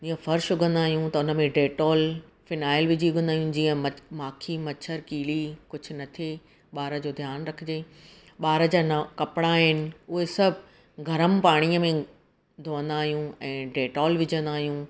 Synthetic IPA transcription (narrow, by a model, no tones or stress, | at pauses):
d͡ʑiːə̃fɐɾʃʊɡə̃nd̪aːɦijũt̪ɐʊnə̆mẽɖeːʈɔːl | fɪnaːɪlʋɪd͡ʑiʊɡə̃nd̪aːɦijũd͡ʑiːə̃mɐmaːkʰimɐt͡ɕʰəɾkiːlikʊd͡ʑʱʊ̆nɐt̪ʰe | ɓaːɾəd͡ʑoːd̪ʱjaːnɾɐkʰɪd͡ʑeː | ɓaːɾə̆d͡ʑaːnkɐpɽaːɦɪnɪ̆ʊɦesɐbʱ | ɡʱɐɾəmpaːɽ̃ijəmẽ | d̪ʱoːə̃nd̪aːɦijũɛ̃ːɖeːʈɔːlʋɪd͡ʑə̃nd̪aːɦijũ